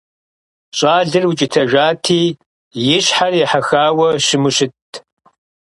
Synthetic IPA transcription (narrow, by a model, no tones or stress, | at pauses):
ɕʼaːɮɨrwʊt͡ʃʼɪtʰɐʒaːtʰiː | jɪɕħarjɛħaxaːwɐɕɪmɨɕɪtʰ